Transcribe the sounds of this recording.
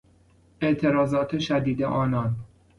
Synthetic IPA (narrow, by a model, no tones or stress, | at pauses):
e̞ʔt̪ʰeɾɒːzɒːt̪ʰeʃæd̪iːd̪ḛʔɒːnɒːn